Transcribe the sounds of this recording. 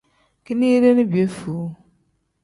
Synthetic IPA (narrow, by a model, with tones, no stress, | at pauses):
ki˦ni˦ɾe˦ni˦bi˨e˦fu˨˦